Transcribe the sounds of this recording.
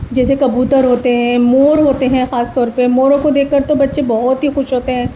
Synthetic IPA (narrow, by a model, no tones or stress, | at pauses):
d͡ʒɛːsekɐbuːt̪əɾɦoːt̪eɦɛ̃moːɾɦoːt̪eɦɛ̃xaːst̪ɔːɾpemoːɾõkod̪eːkʰːɐɾt̪obɐtːʃẽbɔɦʊt̪ɦixʊʃɦoːt̪eɦɛ̃ː